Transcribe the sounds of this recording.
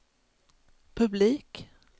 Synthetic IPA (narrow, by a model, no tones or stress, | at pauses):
pʰɵbliːk